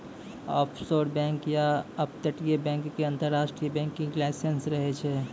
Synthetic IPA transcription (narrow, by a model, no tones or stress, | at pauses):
ɔ̰ːpʰsoːɾbɛ̃ːŋkjaɐp̚t̪əʈijebɛ̃ːŋkːeɐ̃nt̪əɾːaːsʈɾijəbɛ̃ːŋkːɪ̃ŋklɛːsensɾəɦet͡ʃʰɛː